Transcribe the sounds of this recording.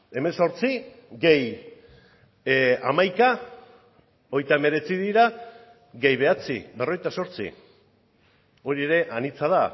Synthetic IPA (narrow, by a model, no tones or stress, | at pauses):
e̞me̞so̞ɾt͡si | ɡe̞j | a̰majka | o̞jt̪aeme̞ɾe̞t͡siðiɾa | ɣe̞jβe̞at͡sḭbero̞ejt̪aso̞ɾt͡sḭ | o̞ɾieɾe̞ʔanit͡sað̞a